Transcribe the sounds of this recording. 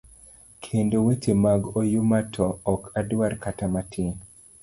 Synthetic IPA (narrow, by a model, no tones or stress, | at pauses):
kʰendowetemaɡojumatʰɔːkʰadwarkatamatʰi